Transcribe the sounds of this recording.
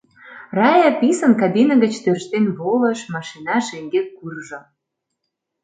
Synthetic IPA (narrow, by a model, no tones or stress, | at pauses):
rɑjɑpisə̆nkɑbinə̆ɣə̆t͡ɕt̪ørʃt̪enβolə̆ʃmɑʃinɑʃeŋɡeurʒɤ̆